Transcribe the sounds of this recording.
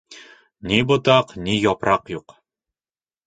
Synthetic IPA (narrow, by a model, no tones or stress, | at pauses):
nibŏt̪ɑqnijɒpɾɑqjuq